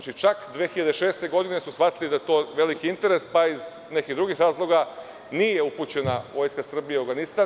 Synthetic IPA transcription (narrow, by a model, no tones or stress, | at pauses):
t͡ʃit͡ʃakd̪ʋexiʎad̪eʃe̞ːst̪e̞ɡo̞d̪ine̞susxʋat̪ilid̪ajet̪o̞ːʋe̞likiint̪e̞ɾe̞spaiz | nekid̪ɾuɡixɾaːzlˠo̞ɡa | niːje̞uput͡ɕe̞naʋo̞ːjskasr̩bijeaɾɡanist̪a